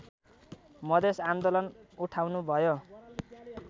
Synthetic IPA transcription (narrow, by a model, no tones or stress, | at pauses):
mʌd̪esand̪olʌnuʈʰawnubʱʌjo